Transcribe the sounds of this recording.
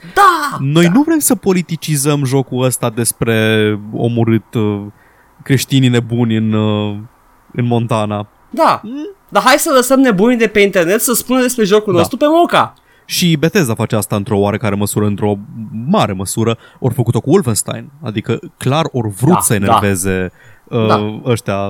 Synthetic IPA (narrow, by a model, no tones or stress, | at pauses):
d̪ano̞jnuvɾe̞msəpo̞lit̪it͡ʃizəmʒo̞kuəst̪ad̪e̞spɾe̞o̞̰muɾɨt̪ | kɾe̞ʃt̪inine̞bunʲɨn | ɨnmo̞nt̪ana | d̪ad̪aɦajsələsəmnebunʲd̪e̞pe̞int̪e̞rne̞t̪səspund̪e̞spɾe̞ʒo̞kulno̞st̪ɾupe̞muŋka | ʃibe̞t̪e̞zafat͡ʃeast̪aɨnt̪ɾo̞oaɾe̞kaɾe̞məsuɾəɨnt̪ɾo̞maɾe̞məsuɾə | o̞rfəkut̪o̞kuulvənst̪a̰jna̰d̪ikəklaro̞rvɾusəe̞neɾve̞ze̞əəʃt̪ea